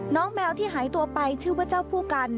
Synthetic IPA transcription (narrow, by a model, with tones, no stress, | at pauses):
nɔː˦˥ŋmɛː˧wt̪ʰiː˥˩ɦaː˩˦jt̪u˧ɐpa˧jt͡ɕʰɯː˥˩bɯ˥˩t͡ɕa˥˩wpʰuː˥˩ka˧n